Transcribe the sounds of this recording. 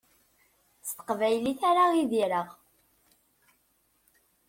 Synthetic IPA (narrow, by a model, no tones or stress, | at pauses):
st̪ə̥qvæjliθaɾaiðiɾəʁ